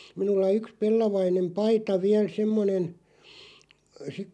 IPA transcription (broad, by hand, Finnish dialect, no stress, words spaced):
minulːɑ yks pelːɑʋɑinem pɑitɑ ʋiæl semːonen sik